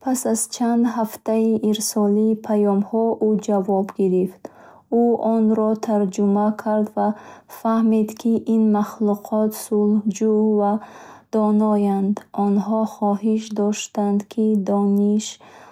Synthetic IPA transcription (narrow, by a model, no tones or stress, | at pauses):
pʰasazt͡ʃʰand̪haft̪aiʔiɾsɔliːpʰajɔmhɔʔud͡ʒavɔbɡiɾift̪ | uʔɔnɾɔt̪ʰaɾd͡ʒumakʰaɾd̪vafahmid̪kʰiʔinmaχluqʰɔt̪sulhd͡ʒuvad̪̥ɔnɔjand̪ɔnɦɔχɔɦiʃ̬d̪ɔʃt̪and̪kʰid̪ɔniʃ